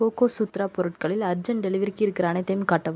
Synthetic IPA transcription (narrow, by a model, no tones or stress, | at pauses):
oːkoːsut̪ːɾaːpɔɾɯʈ̚kɐɭɪlɐɾd͡ʒɐnɖɛlɪʋɐɾɪkːɯɪɾɯkːɪɾaːnɐt̪ːɐmkaːʈːɐʋ